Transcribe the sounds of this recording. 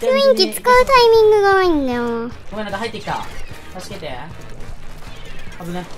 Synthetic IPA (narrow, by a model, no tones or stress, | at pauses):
tɯĩŋkʲit͡sɨ̥kaɯ̟t̪aimʲĩŋɡɯɡaaĩnd̪ajokomenãkaɦait̪ːekʲi̥t̪a̰t̪asi̥ket̪e | abɯ̃ne